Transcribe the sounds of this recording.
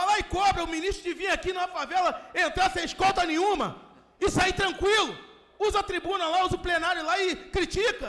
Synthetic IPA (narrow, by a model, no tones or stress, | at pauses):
alaɪkõbɾɐʊminiʃt̪ɾʊd͡ʒɪvĩɲakinũmɐfavɛlɐẽnt̪ɐ̃w̃sẽj̃ʃkɔt̪ɐnẽɲũmɐ | ɪsait̪ɾɐ̃ŋkwilʊ | uzɐɐt̪ɾibũnɐlauzɐʊplenaɾjʊlaɪkɾit͡ʃikɐ